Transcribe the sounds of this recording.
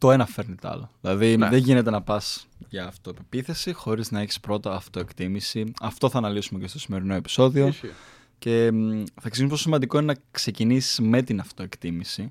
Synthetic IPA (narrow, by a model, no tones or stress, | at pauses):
t̪o̞e̞nɐfe̞ɾnit̪ɐ̰loðilɐðiðeʝine̞t̪e̞nɐpɐsʝɐːft̪o̞epepiθe̞sixo̞ɾiznɐeçi̥spɾo̞t̪ɐːft̪o̞ekt̪imisiɐft̪o̞θɐnɐlisumecest̪o̞sime̞ɾino̞e̞pi̥so̞ðio | ce̞θɐeksiiumposimɐnd̪ikoinenɐkse̞cinisi̥zme̞t̪inɐft̪o̞e̞kt̪imisi